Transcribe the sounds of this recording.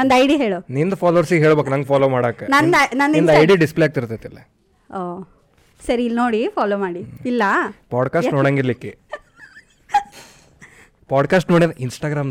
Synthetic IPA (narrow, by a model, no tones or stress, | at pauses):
nɐnd̪ɐjɖiɦeːɭonind̪ɐpaːloʋɐɾsiɡɦe̞ːɭbeːknɐŋɡpʰaːloːmaːɽaːkːenɐnd̪ɐnɐnd̪ind̪ɐjɖiɖisplejaːɡ̚t̪iɾut̪ːet̪ːɐlːe | oː | sɐɾiːlnoːɽifaːlomaːɽiilːɐpaːɖkaːsʈnoːɽaŋɡiɾlikːe | paːɖkaːsʈnoːɽinɐʔinsʈaːɡɾaːmn